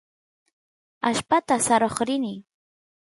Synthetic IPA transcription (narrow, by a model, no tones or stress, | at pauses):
aʃpat̪asaɾoχɾɪnɪ